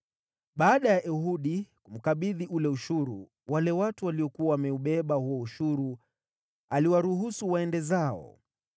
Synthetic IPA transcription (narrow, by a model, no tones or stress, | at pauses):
ɓaːɗajaʔɛhuɗikum̩kaɓiðiʔulɛuʃuɾṵ | walɛwatuwaliɔkuawamɛuɓɛɓahuwɔuʃuɾu | aliwaɾuɦusuwaɛndɛzaɔ̰